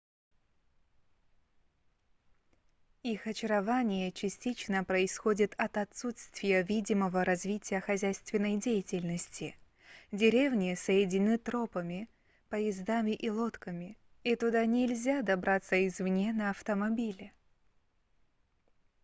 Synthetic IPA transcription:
ixɐt͡ɕɪɾɐvanʲɪjət͡ɕɪsʲtʲit͡ɕnəpɾəɪsxo̞dʲɪt̪ʰɐt̪ɐt̪sut̪st̪vʲɪjəvʲidʲɪməvəɾɐzvʲitʲɪjəxɐzʲæjst̪vʲɪnːəjdʲejɪtʲɪlʲnəsʲtʲɪ | dʲɪɾʲe̞vnʲɪsəjɪdʲɪnʲnɨt̪ɾo̞pəmʲɪ | pəjɪzd̪amʲɪʔilˠo̞t̪kəmʲɪ | it̪ʊd̪anʲɪlʲzʲad̪ɐbɾʔat̪səɪzvnʲenəɐft̪əmɐbʲilʲɪ

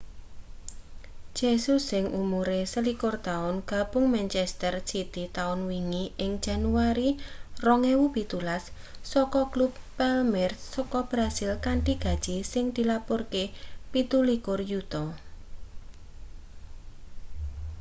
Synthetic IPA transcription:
d͡ʒ̥esʊsːɪŋʔumuɾesəlikʊrt̪aʊnɡ̥a̤b̥ʊŋmɛnt͡ʃɛst̪ərsit̪it̪aʊnwiŋiɪŋd̥ʒ̥a̤nuaɾirɔŋɛwub̥it̪ulasː | ɔkɔklubːɛlmɛrsɔkɔb̥ɾasɪlkaɳʈiɡ̥a̤d̥ʒ̥isɪŋd̪̥i̤lapʊrkepit̪ulikʊrjut̪ɔ

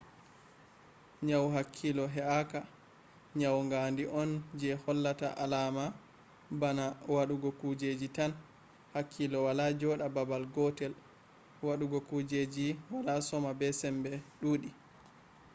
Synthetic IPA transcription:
ɲawɦakʰːilɔɦɛaka | ɲawŋɡandiʔɔnd͡ʒɛhɔlːata̰ʔalama | banawaɗuɡɔkud͡ʒed͡ʒitan | hakʰːilɔwalad͡ʒɔɗababalɡɔtɛl | waɗuɡɔkud͡ʒed͡ʒiwalasɔmabɛsɛmbɛɗuːɗi

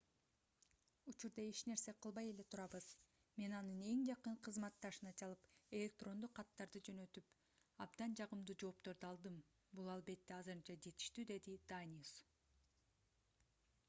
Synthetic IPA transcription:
ut͡ʃuɾd̪ɑet͡ʃne̞ɾse̞qʰɯlˠβɑje̞le̞t̪ʰuɾɑβɯz̥ | me̞nɑnɯne̞ŋd͡ʒɑqɯɴqʰɯzmɑt̪ːɑʃɯnɑt͡ʃʰɑlˠɯpe̞lʲe̞k̚t̪ro̞nd̪uqʰːɑt̪ːɑɾd̪ɯd͡ʒø̞nø̞t̪yp | ɑbd̪ɑnd͡ʒɑʁɯmd̪uːd͡ʒo̞ːpt̪o̞ɾd̪ɯɑlˠd̪ɯm | bulˠɑlˠbe̞t̪ːeɑzɯɾɯnt͡ʃɑd͡ʒe̞t̪i̥ʃt̪yd̪e̞d̪id̪̥anʲis

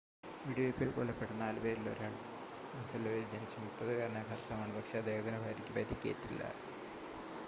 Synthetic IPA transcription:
ʋiːɽijopːiɭkoɭːɐpːeɽunːɐaːlubeːɾilːo̞̰ɾaːɭ | mɐnsɐlːoild͡ʑɐnit͡ɕːɐmupːɐðɨkaɾɐɳebʱaːrt̪ʰːɐmaːɳɨbɐkʂɐːd̪eːɡɐd̪inɐbʱaːɾikʲːɨpɐɾikʲːiḛtːilːɐ̰

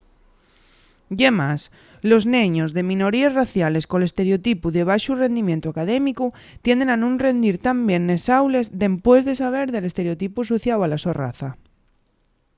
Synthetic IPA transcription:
ɟ͡ʝemas | lo̞znẽɲozðe̞mĩno̞ɾiezraθjale̞skole̞st̪e̞ɾeot̪ipuðe̞β̞aʃure̞nd̪imjent̪uakað̞emiku | t̪je̞nd̪e̞nanũnre̞nd̪iɾt̪ambje̞nːe̞sawle̞zðe̞mpwe̞zðe̞saβ̞e̞ɾðe̞le̞st̪e̞ɾeo̞t̪ipusoθjawalaso̞ra̰θa

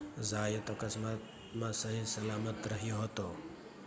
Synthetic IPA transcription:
zaːjət̪əkəsmat̪ | mãsəɦisɐlaːmət̪ɾəɦijoɦot̪o

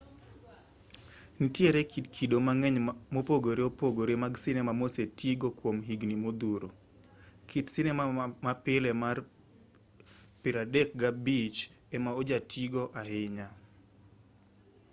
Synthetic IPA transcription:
nitjeɾɛkitkʰidomaŋɛɲmopoɡoɾeopoɡoɾemaɡsɪnɛmamosetiɡokwomɦiɡnimod̪uɾo | kʰitsɪnɛmamapɪlɛmar | pɪɾadɛk̚ɡabit͡ʃ | ɛmaod͡ʒatʰiɡoʔaɦɪɲa

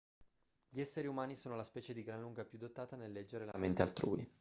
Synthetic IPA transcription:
ʎiɛsːeɾiumaːnisoːnolaspɛːt͡ʃed̪iɡɾanluŋɡapjud̪ːot̪ːaːt̪anelːɛd͡ʒːeɾelament̪ea̰lt̪ɾuːi

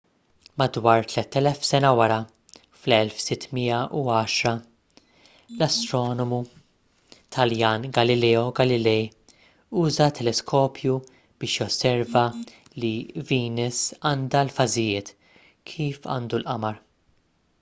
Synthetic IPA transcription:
mɐd̪wɐːɾt̪lɛt̪ːɛlɛfsɛnɐwɐɾɐ | flɛlfsɪt̪ːmiːɐʔuɐːʃɾɐ | lɐst̪ɾɔːnɔmu | t̪ʰɐljɐːnɡɐlɪlɛːɔɡɐlɪlɛj | uːzɐt̪ʰːɛlɛskʰɔːpʰju | b̥ɪːʃjɔsːɛɾvɐ | liviːnɛsɐːnd̪ɐlfɐzɪjɪːt̪ | kʰiːfɐ̰ːnd̪ulʔɐmɐɾ

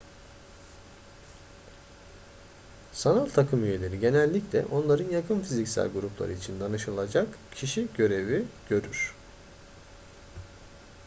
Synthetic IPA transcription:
sanalʲt̪ʰakʰɯmyje̞lʲe̞ɾiɟe̞nɛlʲːiclʲɛ̰ʔo̞nlˠaɾɯnjakʰɯnfizicsæ̰lʲɡuɾuplˠa̰ɾɯit͡ʃʰind̪anɯʃɯlˠad͡ʒakcʰiʃiɟø̞ɾe̞viɟ̥ø̞ɾyɾ̥

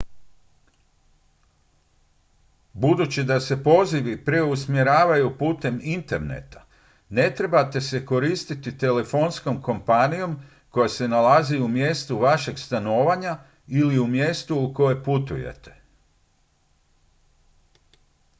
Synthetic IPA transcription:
bud̪ut͡ɕid̪ase̞po̞ziʋipɾe̞usmje̞ɾaːʋajupuːt̪e̞mint̪e̞ɾne̞̰t̪ḁ | ne̞t̪ɾe̞bat̪e̞se̞ko̞ɾist̪it̪it̪e̞le̞fo̞nsko̞mko̞mpanijo̞m | ko̞jase̞nalaziumje̞st̪uʋaʃe̞ɡst̪ano̞ːʋaɲa | iliumje̞st̪uːko̞jeput̪ṵje̞̰t̪e̞̥

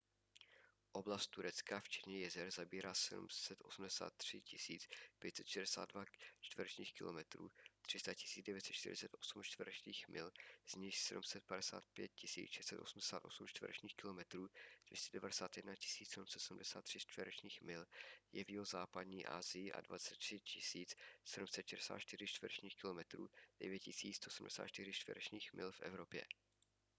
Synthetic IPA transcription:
ʔo̞blast̪̚t̪uɾɛt͡skaft͡ʃɛ̥t̪ɲɛjɛzɛɾzabiːɾaːsɛdṵmsɛt̪ʔo̞sum̩dɛsa̰ːt̪ːr̝̥ɪcɪsiːt͡spjɛt̪sɛt̪ʃɛdɛsa̰ːd̪̚dvat͡ʃt̪vəɾɛt͡ʃɲiːxkɪlomɛt̪ɾṵːt̪r̝̥ɪst̪acɪsiːt͡sdɛvjɛt̪sɛt̪t͡ʃt̪ɪ̰ɾɪ̰t͡sɛt̪ʔo̞sumt͡ʃt̪vəɾɛt͡ʃɲiːxmɪlz̥ɲɪxsɛdumsɛt̪̚padɛsa̰ːt̪̚pjɛ̰t̪̚cɪsḭːt͡sʃɛst̪sɛt̪o̞̰sm̩dɛsaːt̪ʔo̞sumt͡ʃt̪və̰ɾɛ̰t͡ʃɲiːxkɪlo̞mɛt̪ɾuːd̥vjɛscɛdɛvadɛsaːt̪jɛdnacɪ̥siːt͡ssɛdumsɛt̪sumdɛsaːt̪ːr̝̥ɪst̪vɪɾɛt͡ʃɲiːxmɪljɛviːozaːpadɲiːʔa̰ːzɪjɪʔa̰dva̰t͡sɛt̪̚r̥ɪcʰɪsiːt͡ssɛdumsɛt̪ʃɛdɛsa̰ːt̪t͡ʃt̪ɪrɪt͡ʃt̪vəɾɛt͡ʃɲiːxkɪlo̞mɛt̪ɾṵːd̥ɛvjɛt̪̚cɪsiːt͡sst̪oʔsmdɛsa̰ːt̪t͡ʃt̪ɪɾɪt͡ʃt̪vɪ̰ɾɛt͡ʃɲiːxmɪlfʔɛ̰vɾopjɛ̰

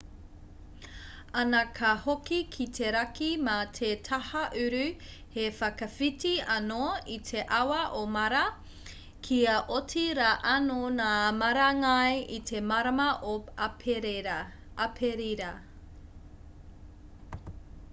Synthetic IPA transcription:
ɐnɐkʰɐhokikʰitʰeɾɐkimatʰetʰɐhɐʔʉɾʉ | hefɐkɐfitiɐnoitʰe̞ʔɐwɐʔomɐɾɐ | kʰiɐʔotiɾaʔɐnonaːmɐɾɐŋɐjit̪ʰe̞mɐɾɐmɐʔopʰeɾe | ʔɐpʰeɾiɾɐ

